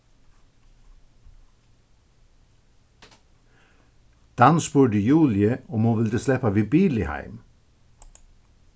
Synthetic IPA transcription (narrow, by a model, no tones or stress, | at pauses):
d̪̥ɑnspuːɖəjuːlɪəʊmhuːʋɪld̪əslɛpaʋiːbiːlɪhæ̰ɪm